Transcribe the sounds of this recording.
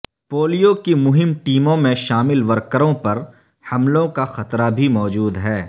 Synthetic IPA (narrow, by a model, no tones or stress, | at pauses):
poːlijokimʊɦɪmʈiːmõmẽʃaːmɪlʋɐɾkəɾõpɐɾ | hɐmlõkaxɐt̪ɾabʱimɔːd͡ʒuːd̪ɦɛː